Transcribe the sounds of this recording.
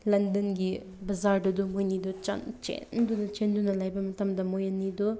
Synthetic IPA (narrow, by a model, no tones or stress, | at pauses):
lɐndɐnɡi | bɐzaɾdɐd̪umojnid̪ut͡ʃɐ̰nt͡ʃḛnd̪unɐt͡ʃend̪unɐlajbɐmɐtɐmd̪ɐmojɐnːidu